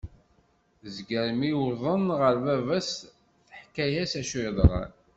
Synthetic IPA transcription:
zɡəɾmiʊðˤənʁəɾvævæs | θə̥ħkːæjæsæʃiðˤəʁə̰n

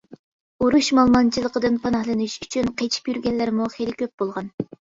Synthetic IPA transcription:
uɾuʃmɑlˠmɑnt͡ʃʰilˠəqəd̪ɨnpʰɑnɑhlˠɨnuʃyt͡ʃʰynqʰet͡ʃʰi̥pjyɾɡʲɛlːɪɾɪmuχelɪkʲʰøp̚b̥olˠʁɑn

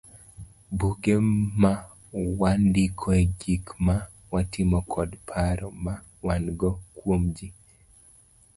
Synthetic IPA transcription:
buɡema | wandɪkʰɔeɡikma | watɪmɔkʰɔdpʰaɾɔma | wanɡɔkwomd͡ʒi

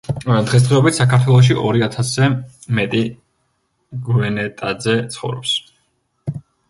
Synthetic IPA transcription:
d̪̥ʁɛs̬d̪ʁɛɔbit̪ʰsakʰaɾt̪ʰwɛlˠɔʃ̬iʔɔɾiat̪ʰasɛmɛt̪ʼi | ɡvɛnɛt̪ʼad̪zɛt̪sʰχɔvɾɔ̰ps

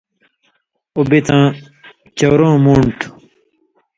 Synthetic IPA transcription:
obit̪ãː | t͡ɕowɾõːmuːɳʈ

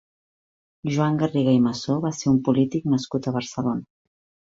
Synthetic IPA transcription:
ʒuaŋɡəriɣajməsoβaseɾumpulit̪ik̚nəskut̪əβəɾsəlonə

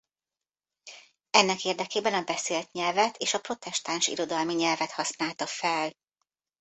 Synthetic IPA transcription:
ɛnːɛkeːrd̪ɛkeːbɛnɒbɛseːlt̪ɲɛlvɛt̪ʰeːʃɒpro̞t̪ɛʃt̪aːnʃḭɾo̞d̪ɒlmiɲɛlvɛt̪hɒsnaːlt̪ɒfɛl

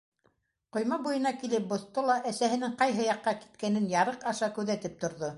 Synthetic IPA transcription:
qŏjmɑbujɤ̆nɑkilɘp̚bŏθt̪olˠɑʔæsæɦɘ̆nɘŋqɑjɦɤjɑqːɑki̥t̪̚kænɘnjɑɾɤqɑʃɑkʉðæt̪ɘp̚t̪ŏɾðo

